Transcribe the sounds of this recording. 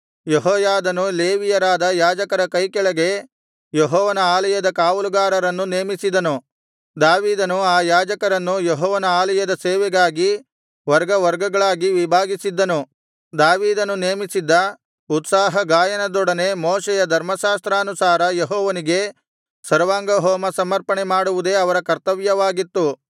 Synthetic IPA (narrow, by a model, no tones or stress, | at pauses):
jeɦɔːjaːd̪ɐnuleːʋijɐɾaːd̪ɐjaːd͡ʒɐkɐɾɐkɐjkɛɭɐɡe̞ | jeɦɔːʋɐnɐaːlɐjɐd̪ɐkaːʋuluɡaːɾɐɾɐnːuneːmisid̪ɐnu | d̪aːʋiːd̪ɐnuaːjaːd͡ʒɐkɐɾɐnːujeɦɔːʋɐnɐaːlɐjɐd̪ɐseːʋɛɡaːɡi | ʋɐɾɡɐʋɐɾɡɐɡɐɭaːɡiʋibʱaːɡisid̪ːɐnu | d̪aːʋiːd̪ɐnːuneːmisid̪ːɐ | ut̪saːɦɐɡaːjɐnɐd̪ɔɽɐne̞mɔːʃɛjɐd̪ʱɐɾmɐʃaːst̪ɾaːɐnusaːɾɐjeɦɔːʋɐniɡe̞ | sɐɾʋaːŋɡɐɦɔːmɐsɐmɐɾpɐɳemaːɽuʋud̪e̞ːɐʋɐɾɐkɐɾt̪ɐʋjɐʋaːɡit̪ːu